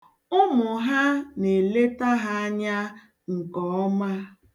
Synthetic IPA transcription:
ʊ˦mʊ˨ɦa˦ne˨le˦ta˦ɦa˦a˦ɲa˦ | ŋ̩˨kɔ˨˦ɔ˦ma˦

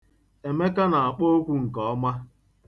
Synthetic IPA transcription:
e˨me˦ka˦na˨a˨k͡po˦o˦kʷu˦ŋ̩˨kɔ˨ɔ˦ma˦

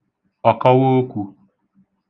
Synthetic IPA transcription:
a˨ka˦wo˦kʷu˨

